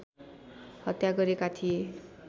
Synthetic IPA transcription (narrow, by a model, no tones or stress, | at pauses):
hʌt̪jaɡʌɾekat̪ʰie